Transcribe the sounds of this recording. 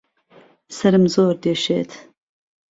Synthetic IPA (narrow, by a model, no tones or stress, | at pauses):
sɐɾɨmzoːɾd̪eːʃḛːt̪ʰ